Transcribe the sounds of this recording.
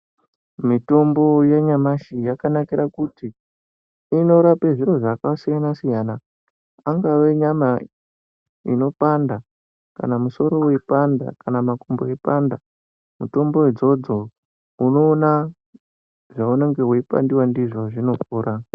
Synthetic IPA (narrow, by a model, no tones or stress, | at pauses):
mito̞mbo̞jeɲamaʃijakanakiɾakuti | ino̞ɾapeʐiɾo̞ʐakasijanasijanaː | ŋɡaʋe̞ɲama | ḭno̞panda | ka̰namuso̞ɾo̞wepanda̰kanamakomboepanda | muto̞mbo̞ed͡zo̞d͡zo̞ | uno̞ːna | ʐauneŋɡe̞ɦweipa̰ndiwandiʐo̞ʐino̞puːɾa